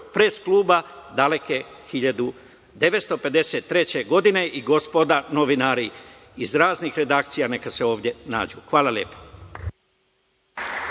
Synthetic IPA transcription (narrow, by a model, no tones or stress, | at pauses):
pɾeːskluːbad̪ale̞kexiʎad̪u | d̪e̞ʋet̪st̪o̞pe̞d̪e̞se̞t̪ːɾe̞t͡ɕe̞ɡo̞d̪ine̞ʔiɡospod̪ano̞ʋinaːɾi | izɾaːznixɾe̞d̪aːk̚t̪sijane̞kaseo̞ːʋd̪je̞na̰ːd͡ʑuxʋaːlaljḛpo̥